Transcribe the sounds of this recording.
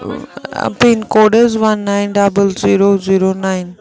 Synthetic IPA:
piːnkoːɖəɾzʋɐnːãːɪnɖɐbəlziːɾoziːɾonaːɪn

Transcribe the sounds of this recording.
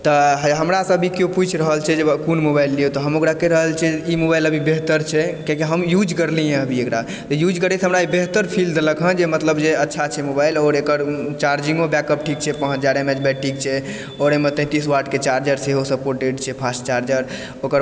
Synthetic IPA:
t̪ɔɦɦəmɾasəbʱikjoput͡ʃʰɾəɦəlt͡ʃʰɛd͡ʒekunmobailːiut̪ɔɦəmokɾakeɾəɦəlt͡ʃʰɛimobajləbʱibeɦt̪əɾt͡ʃʰɛkẽkeɦəmjud͡ʒkəɾlijẽəbʱiekɾa | t̪ɔjud͡ʒkəɾɛsʰɦəmɾaibeɦt̪əɾpʰild̪ləkɦə̃d͡ʒemət̪ləbd͡ʒeətːʃʰat͡ʃʰɛmobajlɔɾekəɾt͡ʃaɾd͡ʒiŋmebɛkəp̚ʈʰikt͡ʃʰɛpə̃ɦəd͡ʒaɾemed͡ʒbɛʈʈʰik̚t͡ʃʰɛ | ɔɾemet̪ɛ̃t̪iswaʈket͡ʃaɾd͡ʒəɾseɦosəpoɾʈeɖt͡ʃʰɛpʰasʈt͡ʃaɾd͡ʒəɾ | okəɾ

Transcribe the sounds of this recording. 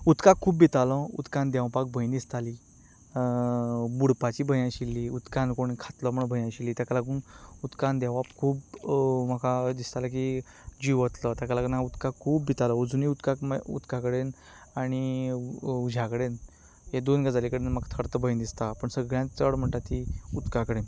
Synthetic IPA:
ut̪kakʰːuːbːit̪alɔ̃ṵt̪kãnd̪ɛʋpak̚bʱəjnd̪ist̪ali | buɽpat͡ɕiːbʱəjãɕilːiut̪kankoɽ̃ikʰat̪lɔməɳbʱəjãɕilːiːt̪jakalakɡunut̪kand̪aʋapkʰuːbməkad̪ist̪alak̬i | d͡ʑiʋət̪lət̪akəlaknaut̪kakʰuːbːʱit̪aləud͡zuniut̪kakṵt̪kakəɽen | aɽ̃i | ud͡ʑʱakəɽen | ɦed̪onɡad͡zalekəɽenmakt̪ʰəɾt̪əbʱəjnd̪ist̪apəɳsəɡɭjãt͡səɽm̤əɳʈ̪at̪ːiut̪kakəɽen

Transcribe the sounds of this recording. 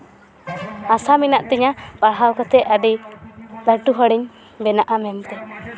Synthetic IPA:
asaminaʔt̪ɛɲabaɦawkɔt̪ɛaɖid̪aʈuɦɔɽiɲ | bɛnaʔamɛmt̪ɛ

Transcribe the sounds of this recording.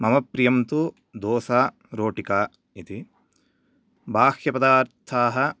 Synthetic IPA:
mɐmɐpɾijɐmt̪u | d̪oːsaː | ɾoːʈikaː | it̪i | bʱaːxjɐpɐd̪aːɾt̪ʰaːɦɐ

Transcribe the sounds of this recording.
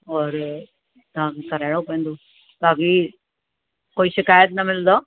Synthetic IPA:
ɔːɾ | t̪ɦãkikɐɾeːɽopẽːnd̪u | t̪aːki | koːiʃɪkaːjət̪nɐmɪld̪oː

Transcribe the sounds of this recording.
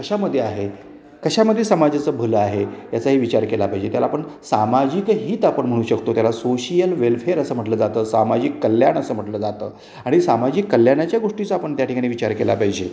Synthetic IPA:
kəɕaməd̪ʱːjeaɦe | kəɕaməd̪ʱːjesəmad͡zat͡səbʱələaɦejat͡saɦiːʋit͡ɕaɾkelapaɦjd͡ʑet̪jalaːpəɳsamad͡ʑikɦiːt̪apəɳm̤əɽ̃uːɕəkt̪ot̪jalasoɕijəlʋelfʰeɾəsəːm̤əʈləːd͡zat̪əːsamad͡ʑikːəljanəsəːm̤əʈləːd͡zat̪ə̰ː | aɽ̃isamad͡ʑiːkːəljaɽat͡ɕjaɡoʂʈit͡səapəɳt̪jaʈʰikaɽ̃iːʋit͡ɕaɾkela̰paɦjd͡ʑe

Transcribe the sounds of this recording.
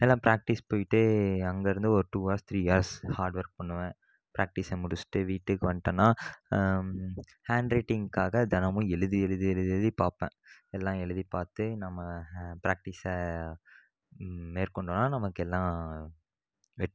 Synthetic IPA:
ɛlːãːpɾaːk̚ʈɪspoːjɪʈːɯɐŋɡɐɪɾɯnd̪ɯɔɾɯʈuːʋaːɾst̪ʰɾiːjaːɾshaːɾɖʋɐɾk̚pɐɳːɯʋẽː | pɾʔaːk̚ʈɪsɐmʊɽɯt͡ʃːʈːɯʋiːʈːɯkːɯʋɐɳʈːɐːnːaː | haːɳɖɾɐɪʈːɪŋɡkaːɣɐd̪ɐnɐmʊ̃ɛɻɯðiɛɻɯðiɛɻɯðiɛɭɯðipaːɾpḛ̃ːɛlːãːɛɻɯðipaːɾt̪ɯnɐmːɐpɾaːk̚ʈɪsɐ | meːɾkɔɳɖʋnaːnɐmɐkːɛlːãː | ʋɛʈː

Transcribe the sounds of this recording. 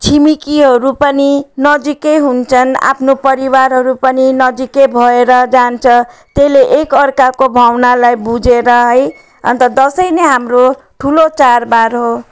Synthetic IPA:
t͡sʰimikiɦʌɾupʌninʌd͡zikeɦunt͡sʰʌna̰pʰnopʌɾiwaɾɦʌɾupʌninʌd͡zikebʱʌeɾʌd͡zant͡sʰʌt̪eleʔekʌrkakobʱawnalajbud͡zeɾʌɦʌj | ʌ̰nt̪ʌd̪ʌsʌjneɦamro | ʈʰulot͡sarbaɾɦo

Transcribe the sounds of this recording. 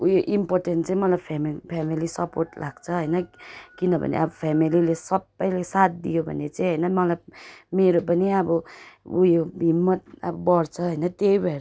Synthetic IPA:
ujoʔimpoɾʈenʈt͡saĩmʌlabpʰampʰamilisʌpoɾʈlʔaɡt͡sʰʌɦʌjnʌkinʌbʱʌ̰nḛabʌpʰamililesʌbːʌjlesat̪̚d̪ijobʱʌ̰nːet͡saĩɦʌjnʌmʌlab̚meɾopʌniabʌṵjobʱimːʌt̪̚a̰bʌbʌɾt͡sʰʌɦəjnʌt̪eibʱeɾ

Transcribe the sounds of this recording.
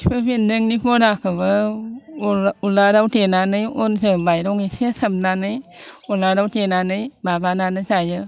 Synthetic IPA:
sipʰɯbindɯŋnipʰɔɾakʰɯβɯ | ulaɾawtenanɯjɔns̬ɯbajɾɔŋesiasəmnanɯjɔlaɾawtenanɯjbabananɯsajɯ

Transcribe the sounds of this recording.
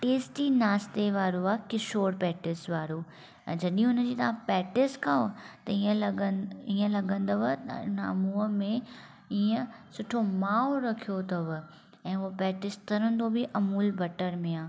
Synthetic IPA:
ʈeːsʈiːnaːst̪eʋaːɾuaːkɪsoːɽpɛːʈɪsʋaːɾuː | ɛ̰̃ːd͡ʑɐɗĩʊnə̆d͡ʑiːt̪ɐʋãpɛːʈɪskʰaot̪ɐiːə̃əiːə̃lɐɡə̃nd̪oʋt̪ɐ̰ʊnɐmuːəmẽ | iə̃sʊʈʰomaːoɾɐkʰijot̪ʰɐʋ | ɛ̃ːʊopɛːʈɪst̪ɐɾə̃nd̪obɪʔɐmuːlbʱɐʈəɾmẽaː

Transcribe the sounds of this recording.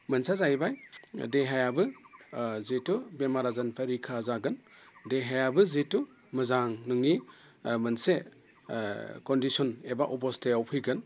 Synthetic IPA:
mɯnsazajbajdeɦajabɯ | zetubemaɾazanpʰaɾikʰazaɡɯndeɦajabɯzetu | mɯzaŋnɯŋi | mɯnse | kɔndisɔnebaʔɔpɔstejawpʰɯjɡɯn

